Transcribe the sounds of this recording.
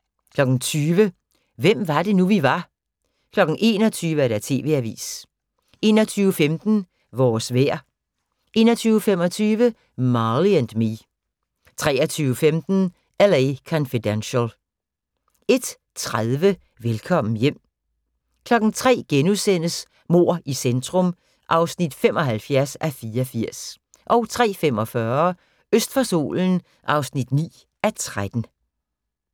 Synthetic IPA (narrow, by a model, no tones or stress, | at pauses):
kʰlɒ̽ɡ̥n̩t͡sʰyːʋə | ʋem̰ʋɑ̈ɾe̝nuʋiʋɑ̈ | kʰlɒ̽ɡ̥n̩ʔe̝̰ːnɒ̽t͡sʰyːʋəæɾæt͡sʰe̝̰ːʋe̝̰æʋḭːs | e̝ːnɒt͡sʰyːʊəfemd̥n̩ | ʋɒːsʋeɐ̰ | ʔe̝̰ːnɒt͡sʰyːʊfem̰ɒt͡sʰyːʋə | mɑliænd̥mi | t͡sʰʁɛːɐt͡sʰyːʊəfemd̥n̩ | ælekʰɒ̽nfid̥ænɕəl | e̝d̥ | t͡sʰʁaðˠʋə | ʋelkʰɒ̽m̰n̩jem̰ | kʰlɒ̽ɡ̥n̩t͡sʰʁɛ̰ːɡ̥enuðˠsen̰əs | mo̝ɐ̰ʔisend̥ʰʁɔ̽m | ʔɑ̈ʊsnid̥fem̰ʔɒ̽ɦælfjæɐsæfiːɐɒfiɐ̰s | ʔɒ̽ʊt͡sʰʁɛ̰ːfem̰ɒ̽fɶɐ | øsd̥fæso̝̰ːln̩ | ʔɑ̈ʊsnid̥nḭː | ʔæt͡sʰʁad̥n̩